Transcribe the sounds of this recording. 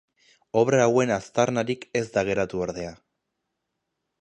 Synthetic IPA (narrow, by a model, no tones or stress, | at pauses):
o̞βɾaːwe̞nast̪aɾnaɾike̞zd̪aɣ̞e̞ɾat̪uoɾðe̞a